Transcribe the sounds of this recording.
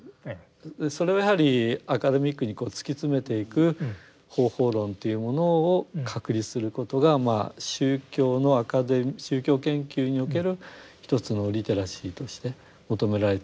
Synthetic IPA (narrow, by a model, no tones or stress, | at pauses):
so̞ɾe̞ojahaɾʲiakad̪e̞mʲikːɯɲ̟iko̞ːt͡sɨ̥kʲit͡sɨme̞t̪e̞ikɯ̟ | ho̞ːho̞ːɾõ̞nt̪e̞jɯ̟mo̞no̞ːkʰakɯ̟ɾʲisɨɾɯ̟ko̞t̪o̞ɡama̰ɕɨːkʲo̞ːno̞akad̪emɕɨːkʲo̞ːkẽ̞ŋkʲɨːɲ̟io̞ke̞ɾɯ̟çi̥t̪o̞t͡sɨno̞ɾʲit̪e̞ɾaɕiːt̪o̞ɕi̥t̪e̞ | mo̞t̪o̞me̞ɾaɾe̞t̪